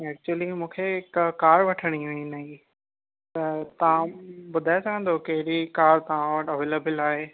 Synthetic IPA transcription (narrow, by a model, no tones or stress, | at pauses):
ɛːk̚t͡ɕuəlimũːkʰeɪkkaːɾʋɐʈʰəɽ̃iɦʊ̃ĩnɐɦi | t̪ɐt̪ɐʋãbʊd̪ʱaːesɐɡʱə̃nd̪okɐɦɪɾikaːɾt̪ɐʋ̤ãʋɐʈɐʋeːleːbɪlaːɦeː